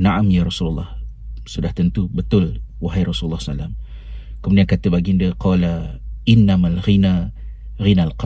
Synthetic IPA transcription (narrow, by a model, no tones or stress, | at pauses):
naʔamjaɾˤɑsulɑlˠˤːɑ̰h | sudaht̪ənt̪ubət̪ʊlwaɦajrˤɑsullːɑhsa̰lːam | kəmudiankat̪abaɡindiaqɑːlaʔɪnːamalɣina | ɣinalqɑ